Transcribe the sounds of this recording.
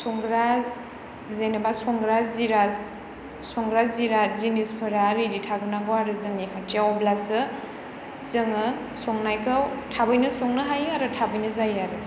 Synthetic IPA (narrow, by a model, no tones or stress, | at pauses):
sɔŋɡɾa | zejnɯbasɔŋɡɾaziɾas | sɔŋɡɾaziɾazinispʰɯɾaɾiditʰaɡɯnaɡɔwaɾɯzɯŋikʰatijaɔblasɯ | zɯŋɯ | sɔŋnajkʰawtʰabɯjnɯsɔŋnɯɦajaɾɯtʰabɯjnɯzajaɾɯ